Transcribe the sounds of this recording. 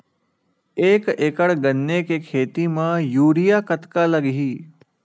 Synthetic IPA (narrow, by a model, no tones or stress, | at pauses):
eːkeːkəɽɡɐnːekekʰeːt̪imãjuːɾijaːkɐt̪kalɐɡɦiː